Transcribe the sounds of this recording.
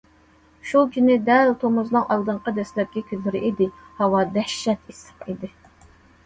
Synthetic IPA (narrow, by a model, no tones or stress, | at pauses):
ʃukʲynɪd̪ɛlt̪ʰomʊzlˠɑŋɑlˠd̪ɨɴqɑd̪ɛslɛp̚kʲɛkʲyzːɪɾɪʔid̪ɪ | hɑwɑd̪ɛʃːɛt̪ʰisə̥qid̪ɪ